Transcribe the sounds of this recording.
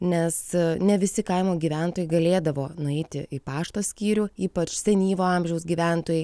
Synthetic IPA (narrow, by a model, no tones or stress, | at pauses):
nʲɛsnʲɛʋʲɪsʲɪkɐɪmoːɡʲiːʋʲænt̪oːjɛɪɡɐlʲeːd̪ɐʋoːnʊɛɪt̪ʲɪʔɪpɑːʃt̪oːsʲkʲiːɾʲuːiːpɐt͡ʃsʲɛnʲiːʋoːɐmʲʒʲɛʊsɡʲiːʋʲæˑnt̪oːjɛɪ